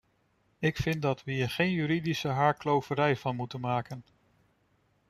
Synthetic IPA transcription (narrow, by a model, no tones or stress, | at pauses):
ɪkfɪn̚dɑtʋəiːɹχejnjyɾidisəɦaːɹklowvəɾɛjvɑnmutənmaːkən